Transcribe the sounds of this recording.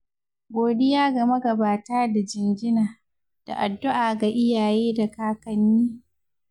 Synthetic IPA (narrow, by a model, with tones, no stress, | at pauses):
ɡʷoː˨dɪ˦jaː˦ɡɐ˨mɐ˦ɡɐ˨baː˨taː˦da˨d͡ʒɪ˨nɡɪ˦naː˨ | d̥a̰˨ʔa˨dːʊ˦ʔaː˨ɡa˨ʔɪ˦jaː˨jeː˦da˨kaː˦kɐ˨niː˦